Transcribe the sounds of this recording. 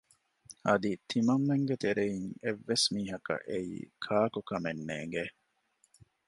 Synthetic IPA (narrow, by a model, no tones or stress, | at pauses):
ɐd̪it̪ʰimɐŋːeŋɡet̪eɾeiŋeʋːesmiːɦɐkɐ̰ʔeḭːkʰaːkukɐmenːḛːŋɡe